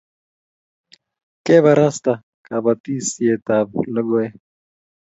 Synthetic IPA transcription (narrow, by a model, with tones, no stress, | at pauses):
kʼɛ˦βa˨ɾa˦st̪a˨ | kʼa˨ba˨tʼi˦si˨ɛ˨ta˨bṵla˦ɡɔɛ˦